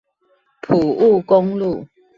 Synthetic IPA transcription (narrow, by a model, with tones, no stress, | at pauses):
pʰu˨˩u˥˨ko˦ŋlu˥˨